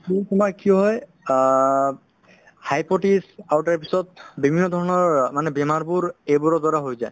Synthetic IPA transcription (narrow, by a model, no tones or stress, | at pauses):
kitumakiɔɦɔj | hajpɔtisawtaɹpisɔt̚bimiɔdʱɔɹɔnɔɹmanɛbɛmaɹbuɹejbuɹɔdaɹaɦojzaj